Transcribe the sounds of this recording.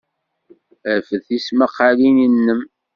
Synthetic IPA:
əfəθisməqːalininːəm

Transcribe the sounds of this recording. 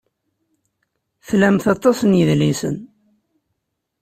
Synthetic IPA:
θlæmθɑt̪ˤːɑsənjəðlisə̰n

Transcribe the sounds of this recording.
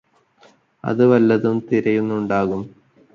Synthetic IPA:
ɐ̰ðɨʋɐlːɐðumt̪iɾɐjunːuɳɖaːɣum

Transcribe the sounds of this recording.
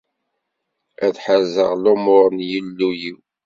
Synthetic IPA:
æθħəzəʁlomʊɾˤənjəlːujiw

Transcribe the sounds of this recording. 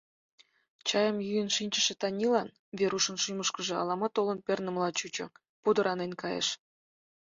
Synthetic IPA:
t͡ɕɑjəmjyjə̆nʃinʲt͡ɕə̆ʃĕt̪ɑnʲilɑn | vʲeɾuʃə̆nʃujməʃkə̆ʒĕɑ̰lˠɑmɑt̪olɤ̆npʲernə̆mlˠɑt͡ɕut͡ɕɤ̰̆ | pud̪əɾʔɑnenkɑjḛʃ

